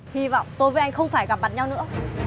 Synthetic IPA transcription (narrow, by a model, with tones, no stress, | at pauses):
hi˧vɔ̰˧˨wŋ͡mt̪o˧jvə˨˦ʔa˧ŋ̟xə˧wŋ͡mfaː˧˩jɣa˨˩p̚ɓaː˧˩n̚ɲa˧wnɨ̰˧˥